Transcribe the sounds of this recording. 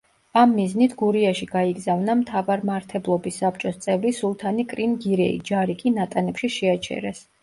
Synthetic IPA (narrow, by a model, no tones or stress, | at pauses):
amːiznit̪ʰɡuɾiaʃiɡaiɡzavnamt̪ʰavaɾmaɾt̪ʰɛblˠɔbisːap̚t͡ʃʼɔst̪sʼɛvɾisulˠt̪ʰanikʼɾinɡiɾɛḭd͡ʒaɾikʼinat̪ʼanɛpʃiʃɛat͡ʃʰɛ̰ɾɛs